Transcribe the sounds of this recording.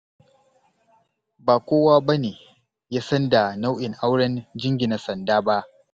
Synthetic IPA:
baː˨kʷoː˦waː˦ba˦neː˨ | jaː˦sɐ˦nda˨na˦wʔɪ˨ŋʔa˦wɽɐ˦nd͡ʒɪ˦ŋɡʲɪ˨na˨sɐ˨ndaː˦ba˦ʔ

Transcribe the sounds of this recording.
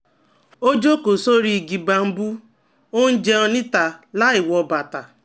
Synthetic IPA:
o˦d͡ʒo˦ko˨so˦ɾi˨ɡi˨ba˨m̩˦bu˦ | o˦n̩˦d͡ʒe˦ɔ˦nɪ˦ta˨la˦ɪ˨wɔ˨ba˨ta˨

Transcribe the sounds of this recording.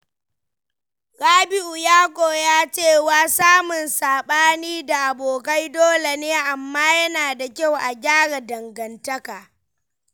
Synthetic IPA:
ɾaː˦bɪ˦ʔu˨jaː˦kʷʼoː˨jaː˦t͡ʃeː˦˨waː˦saː˦mʊ˨nsaː˨ɓaː˦niː˦da˨ʔa˨boː˨ka˦jdoː˦le˨neː˦ʔa˨mːaː˦jɐ˦naː˨da˨kʲa˦˨wʔa˨ɡʲaː˦ɽa˨dɐ˨ŋɡɐ˨ntɐ˦kaː˨

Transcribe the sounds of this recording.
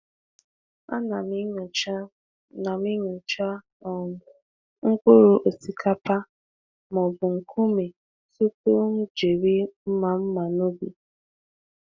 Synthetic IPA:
a̰˦na˨mi˦ɲ˨t͡ʃ | na˨mi˦ɲʊ˨t͡ʃa˦˨ | ŋ̩˦ko˦ɾo˨ʔo˨si˨kʰa˦pa˦ | mɔ˨bʊ˨ŋ̩˨kʰu˦me˨ | su˦ku˦m̩˦d͡ʒe˨ɾi˦m̩˦ma˨m̩˦ma˨no˦bḭ˨

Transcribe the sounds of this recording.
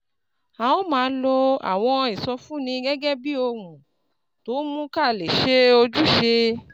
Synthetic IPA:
a˨o˦mãː˨˦lo˧a̰˨w̃ɔ̃˧i˨sɔ˧fũ˦nĩ˧ɡɛ˦ɡɛ˦bi˦o˧ɾũ˨ | to˨˦mũ˦ka˦˨le˨ʃe˦o˧d͡ʒu˦ʃe˧

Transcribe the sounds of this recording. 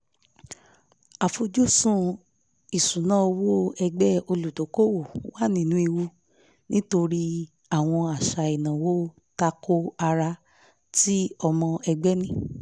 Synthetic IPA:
a˨fo˧d͡ʒu˦sũ˦ | i˨sũ˨˦nã˦o˧wo˦ɛ˧ɡ͡bɛ˦o˧lu˨to˨˦ko˦wo˦˨wa˦˨nĩ˦˨nũ˦i˧wu˧ | nĩ˦to˧ɾi˦ | a˦˨w̃ɔ̃˧a˨ʃa˨i˨nã˨wo˦ | ta˧ko˦a˧ɾa˧ | ti˦ɔ˧mɔ̃˧ɛ˧ɡ͡bɛ˦nĩ˦

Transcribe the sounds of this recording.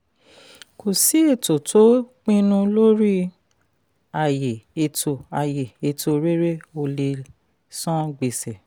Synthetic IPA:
ko˨si˨˦e˦˨to˨tʰo˨˦k͡pĩ˦nũ˧lo˦ɾi˦ | a˨je˨e˧to˨a˨je˨e˧˨tʰo˧ɾe˦ɾe˦o˧˨le˧ | sɔ̃˦ɡ͡be˨sɛ˨

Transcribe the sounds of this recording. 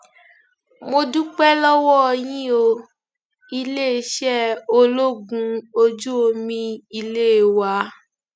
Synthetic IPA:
mo˧dũ˦k͡pɛ˦lɔ˦wɔ˦˧jĩ˦o˧ | i˧le˦˧ʃɛ˦o˧lo˦ɡũ˧o˧d͡ʒu˦o˧mĩ˧i˧le˦˨wa˧˦

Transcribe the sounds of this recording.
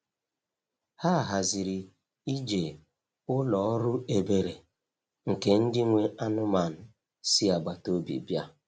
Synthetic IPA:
ha˦˨ɦa˨zɪ˨ɾi˨ | i˦d͡ʒe˨ | ʊ˦lɔ˨˦ɾʊ˦e˨be˨ɾe˨ | ŋ̩˨ke˨n̩˦dɪ˦ŋʷe˦ʔa˦nʊ˦ma˨n̩˨ | si˦a˨ɡ͡ba˨to˦bḭ˨bja˦

